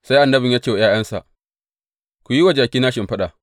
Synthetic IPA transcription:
sa˦jʔa˨nːɐ˦bɪ˨ɲjaː˦t͡ʃeː˨wjaː˦jɐ˦nsa̰˨ʔ | kʷu˨ji˦wɐ˨d͡ʒaː˨kʲiː˦naː˦ʃɪ˨mɸɐ˦ɗa˨

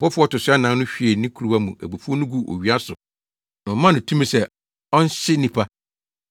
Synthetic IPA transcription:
bɔ˦fʊ˦ɔ˦tʊ˨sʊ˦a˦nã˨˦nʊ̃˦ɕᶣi˨e˨nĩ˦kʰu˨ɾu˦a˦mũ˨ʔæ̰˨bu˨fu˦ɔ˦nʊ̃˦ɡu˦ʔo̰˨ɥi˨a˦sʊ˨ | nʊ̃˨˦mã˦nʊ̃˨tʰũ˦mĩ˦sɛ˦ | ɔ˦n˦ɕɪ˦nĩ˦pʰa˦

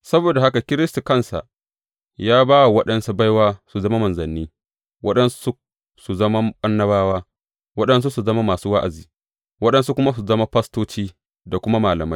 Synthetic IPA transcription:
sɐ˦boː˨da˨ha˦ka˨kʲɪ˦ɾɪ˦stu˨kɐ˦nsa̰˨ʔ | jaː˦baː˦wa˨wɐ˦ɗɐ˦nsu˦ba˦jwaː˦su˨zɐ˦ma˦mɐ˨nzɐ˨nːiː˦ | wɐ˦ɗɐ˦nsu̥˦su˦ | su˨zɐ˦ma˦ɓɐ˦nːɐ˦baː˦waː˦ | wɐ˦ɗɐ˦ns̬u˦su˨zɐ˦ma˦maː˨suː˦wa˦ʔa̰˨ziː˨ | wɐ˦ɗɐ˦nsu˦kʷʊ˦ma˦s̬u˨zɐ˦ma˦ɸɐ˦stoː˦t͡ʃiː˦ | da˨kʷʊ˦ma˦maː˨lɐ˨ma˦j

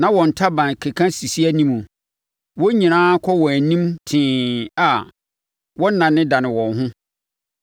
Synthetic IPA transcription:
nã˦wɔ̃˨n̩˨tʰa˦bã˨n˨kʰe˨kʰã˦si˨si˦æ˦nĩ˦mũ˨ | wɔ˦ɲĩ˨nãː˦kʰɔ˦wɔ̃˨æ˨nĩ˦mtʰɪ̃ː˨a˨ | wɔ˦n˦nã˨nɪ̃˦dã˨nɪ̃˨wɔ̃˨nɦʊ̃˦

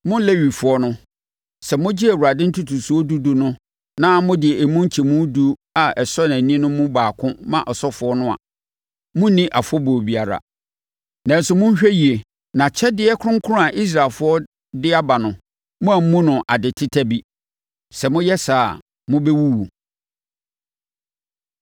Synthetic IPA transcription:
mʊ̃˦le˦ɥi˨fʊ˨˦ɔ˦nʊ̃˦ | sɛ˨mʊ̃˦d͡ʑɪ˦æ˨wu˨a˨dɪ̃˦n̩˦tʰu˦tʰu˨su˦ɔ˦du˦du˨nʊ̃˦ | nã˦mʊ̃˦dɪ˨ɛ˨e˨mũ˦ɲ˦t͡ɕʰi˨mũ˦du˦a˨ɛ˨sɔ˦n˨æ̃˨nĩ˦nʊ̃˦mʊ̃˦baː˨kʰʊ̃˦mã̰˦˨ʔɔ˨sɔ˦fʊ˨˦ɔ˦nʊ̃˦a̰˨ | mʊ̃˦nĩ˦ʔa˨fɔ˦bo˨bi˨a˨ɾa̰˨ | nã˨n̩˦sʊ˨mʊ̃˦n̩˦ɕᶣɛ˦ji˨e˨ | nã˨t͡ɕʰɛ˦dɪ˦ɛ˦kʰʊ˦ʊ̃˦ŋ̩˦kʰʊ˦ɾʊ̃˦a˨ʔi˦s̬ɾaː˨lfʊ˦ɔ˦ | dɪ˦a˦ba˨nʊ̃˨ | mʊ̃˦æ˨m̩˦mũ˦nʊ̃˨ʔa˨dɪ˨tʰɪ˦tʰæ˦bi˦ | sɛ˨mʊ̃˦jɛ˦saː˨ | mʊ̃˦bɛ˦wu˦wu˨

